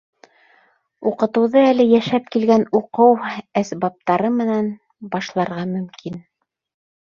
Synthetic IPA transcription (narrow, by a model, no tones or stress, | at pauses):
uqɤ̆t̪ɤ̆wðɤælɘjæʃæp̚kilɡænuqɤwæsbɑp̚t̪ɑɾɤmɘ̆næn | bɑʃlˠɑɾʁɑmɵ̆mkin